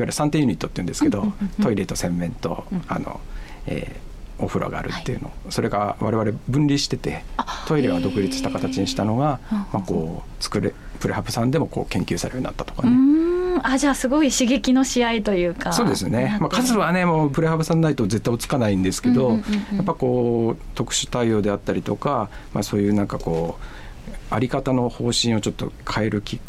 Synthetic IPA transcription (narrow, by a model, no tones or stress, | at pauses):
iβaɾɯsãnt̪eju̟ɲ̟it̪ːot̪ːeiɯ̟nd̪eɨ̥ked̪o̞t̪o̞iɾet̪o̞sẽ̞mːẽ̞nt̪o̞̰a̰no̞̰ḛː | oɸɯ̟ɾʔa̰ɡa̰ːɾɯ̟̰t̪ːeiɯ̟no̞̰so̞ɾe̞ɡaβa̰ɾe̞βaɾe̞bɯ̟̃nɾʲiɕi̥t̪e̞t̪e̞̰t̪o̞iɾe̞βad̪o̞kɯ̟ɾʲit͡sɨ̥ɕi̥t̪akat̪at͡ɕiɲiɕi̥t̪ano̞ɡamakoː | t͡sɨ̥kɯ̟ɾḛpɯ̟ɾehabɯ̟sãnd̪e̞mo̞koːkẽ̞ŋkʲɨːsaɾejoɲ̟ḭnat̪ːḁt̪okanead͡ʑaːsɨɡo̞iɕiɡe̞kʲino̞ɕiait̪o̞jɯ̟ːkaso̞ːd̪e̞sɨne̞makʰazɨβane̞moːpɯ̟ɾehabɯsãnːait̪oze̞t̪ːaiot͡sɨ̥kanaĩnd̪e̞sɨ̥ke̞d̪o̞japːaiko̞ːt̪o̞kɯ̟̥ɕɨ̥t̪aio̞ːd̪e̞at̪ːaɾʲit̪o̞̰kama̰so̞ːjɯ̟ːnãŋkako̞ː | aɾʲikat̪ano̞ho̞ːɕĩo̞t͡ɕo̞t̪ːo̞̰kʰae̞ɾɯ̟kʲi